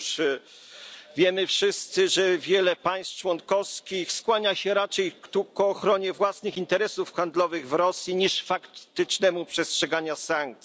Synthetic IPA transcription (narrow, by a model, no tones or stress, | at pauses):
ʂ | vʲjɛmɘfʂɘst̪sɘʐɛvʲjɛlɛpaj̃st̪t͡ʂwɔnkɔskʲixskwaɲaɕɛɾat͡ʂɛjt̪ukɔːxɾɔɲɛvwasnɘxint̪ɛɾɛsufxand̪lɔvɘɣvɾɔsʲjiɲiʂfakt̪ɘt͡ʂnɛmupʂɛstʂɛɡaɲasaŋk̚t̪s